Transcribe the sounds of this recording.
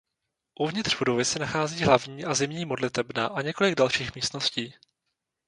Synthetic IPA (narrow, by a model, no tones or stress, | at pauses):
ʔuvɲɪt̪r̥vudo̞vɪsɛnaxaːziːɦlavɲiːʔazɪmɲiːmo̞dlɪt̪ɛbna̰ʔaɲɛko̞lɪɡ̚dalʃiːxmiːst̪no̞sciː